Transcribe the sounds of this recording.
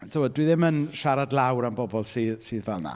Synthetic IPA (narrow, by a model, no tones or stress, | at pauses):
tʰəwɔːdwɨðɪmənʃaɾadlˠawɾanbɔbɔlˠsiːðsɨːðvɛlˠna̰